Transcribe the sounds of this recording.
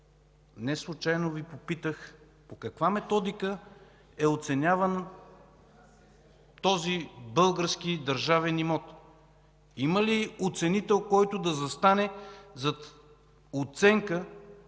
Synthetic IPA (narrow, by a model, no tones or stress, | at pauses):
nɛslˠut͡ʃajnovipopit̪əx | pokɐkvamɛt̪ɔd̪ikə | ɛot̪sɛnʲavən | t̪ɔzibɤlˠɡəɾskid̪ɐɾʒavɛnimɔt̪ | iməliot̪sɛnit̪ɛlˠkɔjt̪od̪ɐzɐst̪anɛzɐt̪ | ot̪sɛŋkə